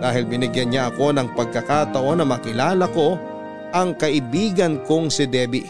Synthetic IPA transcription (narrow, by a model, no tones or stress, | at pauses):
d̪aːhɪlbɪnɪɡjɐnɲaʔɐko̞nɐŋpɐɡ̚kɐkat̪ɐʔo̞nɐmɐkɪlaːlɐko̞ | ʔɐŋkɐʔɪbiːɡɐnkoŋsɪd̪ɛːbɪ